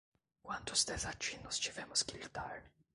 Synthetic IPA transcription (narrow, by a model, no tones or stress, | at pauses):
kwant̪ʊst̪ɛsat͡ʃːinːʊst͡ʃivɛmʊskilt̪aɾni